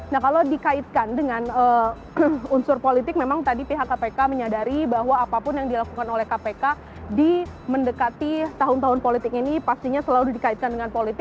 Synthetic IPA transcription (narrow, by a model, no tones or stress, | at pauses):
nahkalawdikaɪt̪̚kandəŋanə | unsʊrpolit̪ɪk̚memaŋt̪adipiɦakːapekaməɲadaɾibaɦwaːpapʊnjaŋdilakukanolɛhkapeka | diməndəkat̪it̪aɦʊnt̪aɦʊnpolit̪ɪkinipast̪iɲasəladikait̪̚kandəŋanpolit̪ɪk̚